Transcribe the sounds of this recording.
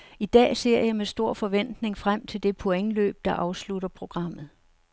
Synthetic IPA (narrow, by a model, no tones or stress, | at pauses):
id̥ɛ̰ːse̝ɐ̰jɑ̈ɪmesd̥o̝ɐ̰fɒ̽ʋen̰d̥ne̝ŋfʁam̰t͡sʰe̝ld̥e̝pʰo̝eŋlø̰ːb̥̚d̥ɑ̈ʔɑ̈ʊsluɾɐpʰʁo̝ɡ̥ʁɑ̈m̰ð̞̩ˠ